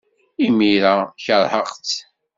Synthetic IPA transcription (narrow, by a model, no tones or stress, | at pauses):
imiɾaçəɾhəqt͡s